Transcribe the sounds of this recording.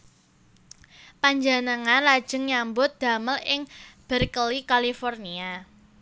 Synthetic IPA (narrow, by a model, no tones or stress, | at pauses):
paɲd͡ʒanəŋanlad̥ʒ̥ə̤ŋɲambʊt̪̚d̪̥a̤məlɪŋb̥ə̤rkəlikalifɔrnia